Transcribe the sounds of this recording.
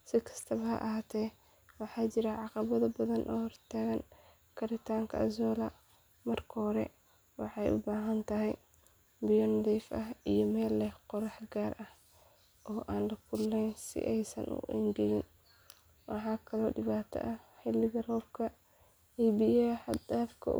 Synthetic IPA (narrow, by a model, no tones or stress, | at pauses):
sɪkʰɐ̥st̪ʰɐβɐɦɐ̰ʔɐɦaːt̪ʰɛː | wɑħɑːt͡ʃɪɾɐʕɑqɑβɐðɐbɐðɐnʔɔːhɔrt̪ʰaːɣɐn | kʰɐɾɪt̪ʰaːŋkʰɐ̰ɐzɔːlɐ | mɐrkʰɔhɾɛ̰ | wɑħɑjʔʊ̰baːɦɐnt̪ʰɐɦɛj | bɪjɔnʊðiːfʔɐɦijɔmɛːlːɛhqɔɾɑħɡaːrʔɐh | ʔɔːʔaːnlɐkʰʊlːɛnsɪ̰ʔɛjsɐ̰nʔʊ̰ʔɪ̰ndɪɣɪn | wɑħɑːkʰɐlɔːɖɪβaːt̪ʰɐ̰ʔɐħɪlːɪɣɐrɔːb̚kʰɐ | ɛjbijɐħɑd̪aːfkʰɐ̰